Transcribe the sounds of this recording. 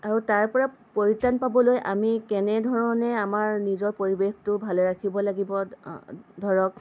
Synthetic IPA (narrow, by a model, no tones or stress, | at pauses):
aɹutaɹpɔɹa | poɹitanpabɔlojʔa̰mikɛnɛdʱɔɹɔnɛamaɹnizɔɹpoɹibextʊbʱalɛɹakʰibɔlaɡibɔ | dʱɔɹɔk̚